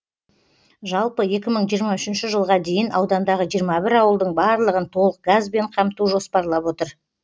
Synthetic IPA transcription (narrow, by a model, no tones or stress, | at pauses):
ʒɑlˠpəje̞kʲɪməɴʒijəɾmɑʏʃɪnʃɪʒəlˠʁɑd̪e̞jɪnʔɑwd̪ɑnd̪ɑʁəʒijəɾmɑbɪɾɑwəlˠd̪əɴbɑɾlˠəʁənt̪ʰo̞lˠəq̚ɡazbe̞ɴqʰɑmt̪uʒo̞spɑɾlˠɑpwo̞t̪əɾ